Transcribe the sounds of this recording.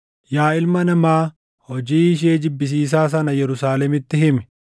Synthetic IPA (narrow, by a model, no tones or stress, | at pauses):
jaːɪlmɐnɐmaː | hɔd͡ʒiːɪʃ̬eːd͡ʒɪbːɪs̬iːs̬aːs̬ɐnɐjɛɾʊsaːlɛmɪt̪ːɪhɪmɛ̥